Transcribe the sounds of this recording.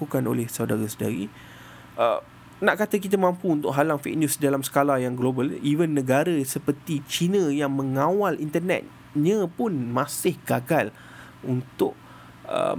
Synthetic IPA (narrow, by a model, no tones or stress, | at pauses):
ukano̰lɛhsawdaɾasəda̰ɾi | ʔə̰ | naʔkat̪ak̬it̪amãmpuunt̪ʊʔ̚ɦalaŋfḛk̚njusdalamsə̥kalajaŋɡlobəliwənːə̃ɡaɾasəpərt̪it͡ʃinə̃jaŋmə̃ŋãwalint̪ərnɛ̰t̪̚ | ɲə̃pʊnmãsɪhɡaɡal | unt̪ʊʔ̚ | ə̰